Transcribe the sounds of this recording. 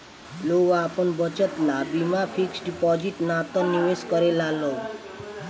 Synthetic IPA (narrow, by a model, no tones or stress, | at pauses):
loɡapəɳbət͡ʃət̪nabimapʰiksɖipɔd͡ʒiʈnat̪ɔ̃niʋeskəɾelaloɡ